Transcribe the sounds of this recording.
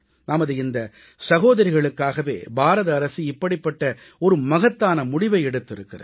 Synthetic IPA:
naːmɐðɯɪnd̪ɐ | sɐɣoːðɐɾɪɣɐɭɯkːaːɣɐʋḛːbʱaːɾɐðɐːɾɐsiɪpːɐɽɪpːɐʈːɐ | ɔɾɯmɐɣɐt̪ːaːnɐmʊɽɪʋɐɪɛɽɯt̪ːɪɾɯkːɪrɐ̰

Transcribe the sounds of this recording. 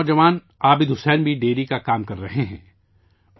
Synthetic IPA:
d͡ʒɐʋaːn | aːbɪd̪ɦʊsɛːnbʱiɖeːlikakaːmkɐɾːɐɦeɦɛ̰̃ː

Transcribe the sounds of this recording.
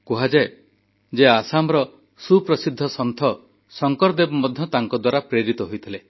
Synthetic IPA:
kuɦad͡ʒa | d͡ʒeasamɔɾɔ | supɾɔsid̪ʱːɔsɔnt̪ʰɔ | sɔŋkɔɾd̪ebɔmɔd̪ʱjɔt̪aŋkɔd̪waɾapɾeɾit̪ɔɦojt̪ʰile

